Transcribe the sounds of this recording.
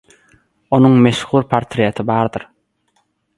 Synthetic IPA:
o̞nuŋmeʃhuːɾpʰaɾt̪ʰɾijet̪ʰibɑːɾd̪ɯɾ

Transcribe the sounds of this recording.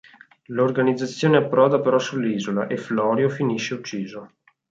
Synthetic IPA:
lorɡanid̪zːat̪sːjoːneapːɾɔːd̪apeɾɔsulːiːzola̰ʔeflɔːɾjofiniʃːeut͡ʃːiːzo

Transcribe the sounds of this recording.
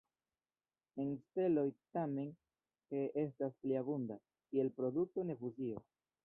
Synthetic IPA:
e̞nste̞lo̞jtame̞n | ke̞e̞staspliabunda | kie̞lpɾo̞duk̚to̞ne̞fuzio̞̰

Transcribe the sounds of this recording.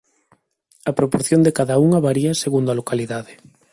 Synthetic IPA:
ɐpɾopoɾθjond̪ekaðauŋɐβaɾiɐseɣund̪oalokaliðaðe

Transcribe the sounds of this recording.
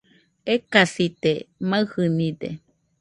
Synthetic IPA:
ekasit̪emaɨhɨnid̪ḛ

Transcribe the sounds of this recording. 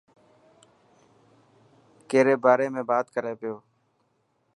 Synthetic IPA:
keːɾeːbaːɾeːmẽːbaːt̪kəɾeːpɪjoː

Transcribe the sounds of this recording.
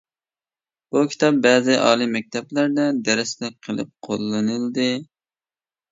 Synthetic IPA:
b̥ukʲʰi̥t̪ʰɑp̚bɛːzɨʔɑ̰ːlˠimɛk̚ʲt̪ʰɛblæɾd̪ɛd̪ɛɾɪslɪqʰəlˠɨ̰p̚qʰolˠːɨnɨld̪ɨ

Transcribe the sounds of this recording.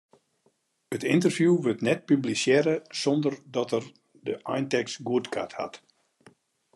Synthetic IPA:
ətɪntərfjuʋøtnɛt̚pyblisjɛɾəsɔndərdɔtər | dəʔajntɛksɡuətkʰa̰tha̰t

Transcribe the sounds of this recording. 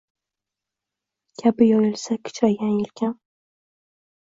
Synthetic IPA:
kʲʰabɪjɒjɪlˠsakʲʰɪ̥t͡ʃʰɒjɡanjɪlkʲʰan

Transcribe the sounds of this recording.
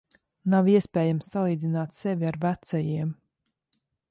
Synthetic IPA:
nawiɛspʲɛːjamsːalˠiːd̪zinaːt̪sɛvʲiaɾvæt̪sɛjiɛm

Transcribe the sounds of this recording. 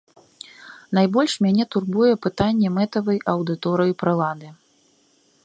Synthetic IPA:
n̪ajbɔlʲʂmʲanʲɛt̪urbujɛpɨt̪anʲːɛmɛt̪ɐvɐjʔɐwd̪ɨt̪ɔɾɨjupɾɨlˠad̪ɨ

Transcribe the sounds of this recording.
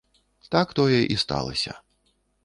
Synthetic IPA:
t̪akt̪ɔjɛʔist̪a̰lˠɐ̰sʲɐ̰

